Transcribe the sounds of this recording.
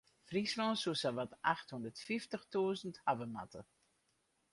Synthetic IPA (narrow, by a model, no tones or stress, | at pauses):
frisʋɔːsusaʋatʔaxthɔndətfiftəxtuːzənthavəma̰tə